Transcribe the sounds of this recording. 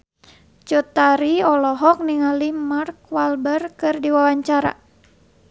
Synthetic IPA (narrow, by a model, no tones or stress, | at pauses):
t͡ʃut̪aɾiɔlɔɦɔk̚niŋalimarkwalbərkɨrdiwawaɲt͡ʃaɾa̰